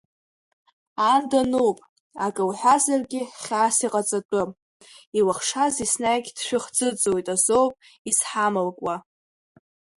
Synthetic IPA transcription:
andanuwpʼ | akʼɨwħʷazarɡʲɪχʲasiqʼat͡sʼatʷʼʊ | iwaχʂazisnajɡʲd̥ʃᶣʊχd͡zʼɨt͡sʼojtʼazowpʼ | isħamɨlkʼwa

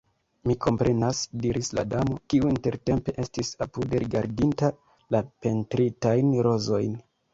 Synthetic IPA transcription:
mikʰo̞mpɾe̞nasdiɾisla̰damo̞kiuinte̞ɾte̞mpe̞ʔe̞stisapude̞ɾiɡaɾdinta | lape̞ntɾitajnɾo̞zo̞jn

